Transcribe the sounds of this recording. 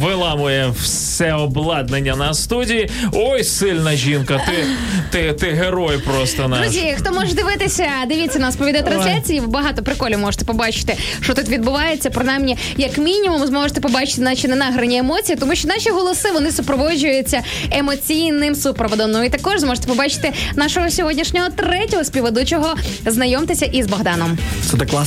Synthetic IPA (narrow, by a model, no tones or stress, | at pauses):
ʋɪlˠɑmʊjɛw | sɛɔblˠɑd̪nenʲːɐnɐst̪udʲiji | ɔjsɪlʲnɐʒʲinkɐt̪ɪ | t̪ɪt̪ɪɦeɾɔjpɾɔst̪ɔnɐɾɔzʲijɐxt̪ɔmɔʐɛd̪ɪʋɪt̪ɪsʲɐd̪ɪʋʲit͡sʲːɐnɐspɔʋʲid̪ɐjɛt̪ɾɐnsʲlʲat͡sʲijiʋbɐɦɑt̪ɔpɾɪkɔlʲːɪmɔʒe̥t̪ɛ̥pɔbɑt͡ʃɪ̥t̪ɪ | ʃt͡ʃɔt̪ut̪ʋʲid̪̚bʊʋɑjet͡sʲːɐpɾɔnajmnʲi | jɐkmʲinʲimumzmɔʒet̪ɛpɔbɑt͡ʃɪ̥t̪ɪnɑʃinɛnɑɦɾɐnʲiemɔt͡sʲijit̪ɔmuʃt͡ʃɔnɑʃʲiɦɔlˠɔsɪʋɔnɪsʊpɾɔʋɔʒʊjʊt͡sʲːɐ | emɔt͡sʲijnɪmsupɾɔʋɔd̪ɔmnʊit̪ɐkɔʒzmɔʒe̥t̪ɛpɔbɑt͡ʃɪ̥t̪ɪnɑʃɔɦɔsʲɔɦɔdʲnʲiʃnʲɔɦɔt̪ɾɛtʲɔɦɔspʲiʋɔd̪ut͡ʃɔɦɔznɐjɔmt̪ɪsʲɐʔizbɐɦd̪ɑnɔmsɛd̪ɛklˠɑ